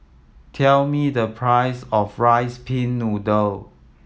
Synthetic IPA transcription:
tʰɛlmidəpʰɹajsɔfɹajspʰĩnːudəl

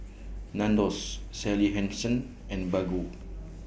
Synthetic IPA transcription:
nãndɔsːɛliɦɛ̃nsə̃n | ɛ̃nbaɡu

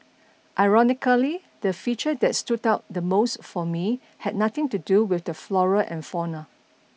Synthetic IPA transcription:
ʔaɪɹɔnɪkəli | d̥əfit͡ʃədɛtstudaʊt̚dəmoʊsfɔmi | hɛd̚nat̪ɪ̃ŋtuduwɪθdəflɔɹəʔɛ̰̃nfɔnə

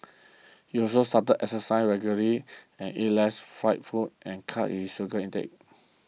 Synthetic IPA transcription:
hiɔsostatədɛsəsãɪnɹɛɡjuləɹi | ɛ̃nilɛsfɹaɪt̚fut̚ʔɛ̃nkʰaʔhisuɡəĩntɛ̰k̚

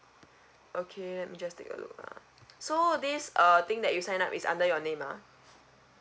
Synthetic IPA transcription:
ʔokʰelɛt̚mid͡ʒastḛkə̰lʊ̰k̚a̰ | sodisʌt̪ɪ̃ŋdɛʔ̚jusãɪ̃na̰pisã̰ndəjɔnẽma̰

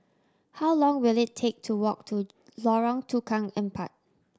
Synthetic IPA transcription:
haʊlɔ̃ŋwilɪtʰek̚tʰuwɔk̚tʰu | lɔɹɔ̃ŋtʰukʰãŋɛ̃mpʰa̰t̚

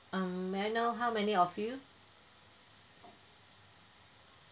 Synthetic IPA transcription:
ʌ̃majnoɦawmɛniɔfju

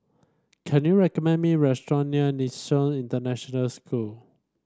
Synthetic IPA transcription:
kʰɛ̃njuɹɛkɔmɛ̃nmiɹɛstɹɔ̃niənisɔ̃nĩntənɛʃɔnəlskʰul

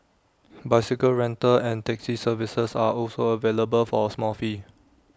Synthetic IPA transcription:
baɪsɪkəlɹɛ̃ntəɛ̃ntɛksisəvisəsa̰ʔɔlsoəveləbəlfɔsmɔlfi

